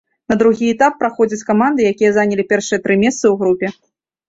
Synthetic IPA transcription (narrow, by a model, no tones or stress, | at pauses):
nɐd̪ɾuɣʲiɛt̪apːɾaxɔd͡zʲɐt͡sʲkamand̪ɨjakʲijɐzanʲɐlʲipʲɛrʂɨjɐt̪ɾɨmʲɛst̪sɨwɣɾupʲɛ